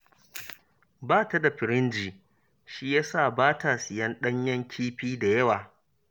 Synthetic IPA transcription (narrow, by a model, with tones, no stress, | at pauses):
baː˦˨ta˦da˨ɸɪ˨ɾɪ˦nd͡ʒiː˨ | ʃi˦jaː˦saː˦˨baː˦taː˨sɪ˨jɐ˦nɗɐ˦ɲjɐ˦ŋkʲʰiː˦ɸiː˦da˨jɐ˦waː˨